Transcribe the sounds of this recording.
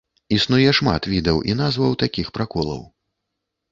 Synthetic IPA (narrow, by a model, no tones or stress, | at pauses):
isnujɛʂma̰t̪vʲid̪ɐwʔinazvɐwt̪akʲixpɾakɔlˠɐ̰w